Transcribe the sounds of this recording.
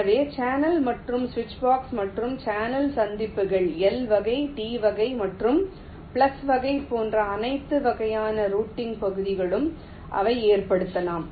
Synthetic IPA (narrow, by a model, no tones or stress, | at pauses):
ɐʋeːt͡ʃaːnɐlmɐʈrɯmsʋɪt͡ʃːbaːksmɐʈrɯmt͡ʃaːnɐlsɐnd̪ɪpːɯɣɐɭɛlʋɐɣɐɪʈiːʋɐɣɐɪmɐʈrɯm | pɪɭɐsʋɐɣɐɪpːoːndrɐːnɐɪt̪ːɯʋɐɣɐjaːnɐɾuːʈːɪŋɡpɐɣɯðɪɣɐɭɯm | ʔɐ̰ʋɐɪeːrpɐɽɯt̪ːɐlaːm